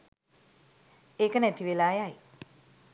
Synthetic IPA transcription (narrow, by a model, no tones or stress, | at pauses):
eːkənæt̪iʋelaːjaj